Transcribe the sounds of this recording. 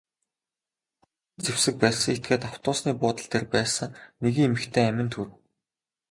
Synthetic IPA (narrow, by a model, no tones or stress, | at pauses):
t͡sewsɘ̆k̚pæːɮsə̆ŋet̪̚ɡeːt̪aw̥t̪ʊːsniːpʊːt̪ə̆ɮt̪ʰerpæːsə̆ŋneɣɘ̆ŋemɘ̆xt̪ʰeːæmʲɪ̆nt̪ʰur̆w